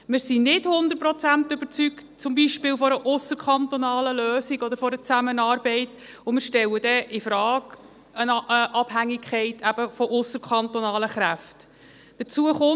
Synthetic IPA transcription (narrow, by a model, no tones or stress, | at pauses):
mɪːɾsinɪdhʊnd̪əɾpɾɔt͡sæntʏb̥əɾt͡syktt͡sʊmbiʃpɪːlfɔɾəʔʊsəɾkʰχɑnt̪ɔnɑːləløːsiɡɔd̪əɾfɔɾət͡sæmənɑːɾbɛɪt | ʊmɪːɾʃtɛləd̥ɛʔɪfɾɑːɡ | ənəʔɑbhæŋːikχɛɪtʰæb̥əfɔʔʊsəɾkʰɑnt̪ɔnɑːləχɾæft | d̥ət͡suəχʊ